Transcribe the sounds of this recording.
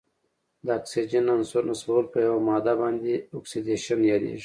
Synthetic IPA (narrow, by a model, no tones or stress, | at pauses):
d̪əɑksid͡ʒenːansuɾnasbolpəjawamɑd̪abɑnd̪eoksid̪eʃanjɑɾḛʐi